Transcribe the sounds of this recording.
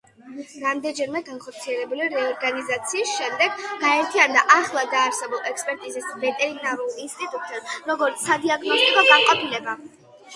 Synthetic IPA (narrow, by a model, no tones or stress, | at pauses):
ɾamd̪ɛnd͡ʒɛɾmɛɡanχɔɾt̪sʰiɛlɛbuliɾɛɔɾɡanizat̪sʰiːsʃɛmd̪ɛɡɡaɛɾt̪ʰiand̪aʔaχlˠad̪aːɾsɛbulˠɛkspʼɛɾt̪ʼizisvɛt̪ʼɛɾinaɾulˠinst̪ʼit̪ʼut̪ʼɛd̪ɾɔɡɔɾt̪sad̪iaɡnɔst̪ʼikʼɔɡaŋqʼɔpʰilɛba